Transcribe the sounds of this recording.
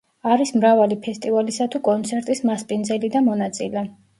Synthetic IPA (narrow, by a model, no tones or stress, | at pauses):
aɾismɾavalipʰɛst̪ʼivalisat̪ʰukʼɔnt̪sʰɛɾt̪ʼismaspʼind̪zɛlid̪amɔnat̪sʼilɛ